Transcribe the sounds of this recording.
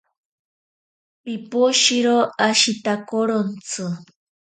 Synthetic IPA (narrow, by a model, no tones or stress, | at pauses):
pipoʃiɾoaʃit̪akoɾont͡sɨ